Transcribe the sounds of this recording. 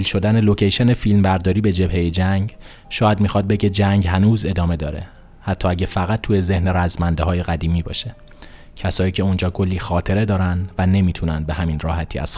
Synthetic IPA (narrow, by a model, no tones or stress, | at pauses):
ilʃo̞d̪æne̞lo̞cʰejʃe̞nefilmbæɾd̪ɒːɾiːbe̞d͡ʒe̞bhejed͡ʒæŋɟ | ʃɒːjæd̪miːxɒːd̪̚beɟed͡ʒæŋɟɦænuːze̞d̪ɒːme̞d̪ɒːɾe̞̰ | hæt̪ʰːɒːæɟefæɣæt̪̚ʰːuːje̞ze̞hneɾæzmænd̪ehɒːje̞ɣæd̪iːmiːbɒ̰ːʃe | cʰæsɒːjiːcʰe̞und͡ʒɒːkʰo̞lːiːxɒːt̪ʰe̞ɾe̞d̪ɒːɾænd̪væne̞miːt̪ʰunænd̪be̞hæminrɒːhæt̪ʰiːæ̰z̥